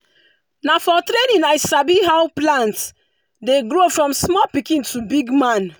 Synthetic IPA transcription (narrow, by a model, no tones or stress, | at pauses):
nafɔtɾenĩnaɪsabiɦawplãnt | deɡɹofɹɔ̃msmɔpikĩntʰubiɡmãn